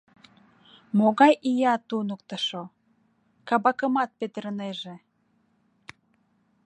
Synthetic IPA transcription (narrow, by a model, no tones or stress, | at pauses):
moɣɑjʔijɑt̪unək̚t̪əʃo | kɑβɑkəmɑt̪̚pet̪əɾəneʒe